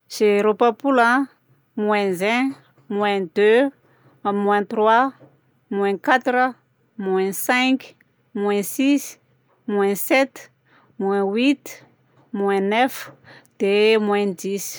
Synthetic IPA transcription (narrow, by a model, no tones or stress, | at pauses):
seɾopapulã | mwɛ̃zɛ̃ | mwɛ̃d̪ø | mwɛ̃t̪rwa | mwɛ̃kat̪ɾə | mwɛ̃sɛ̃k | mwɛ̃sis | mwɛ̃sɛt̪ | mwɛ̃wit̪ | mwɛ̃nɛfd̪̥emw̃ɛ̃d̪is